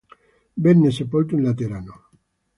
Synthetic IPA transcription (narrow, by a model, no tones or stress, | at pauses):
benːesepolt̪unlat̪eɾano